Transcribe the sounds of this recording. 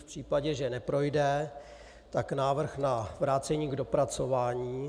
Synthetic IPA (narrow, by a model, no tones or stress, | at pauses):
fpr̥iːpaɟɛʒɛnɛpɾo̞jdɛ | t̪aknaːvr̩xnavɾaːt͡sɛɲiːɡdo̞pɾat͡so̞vaːɲiː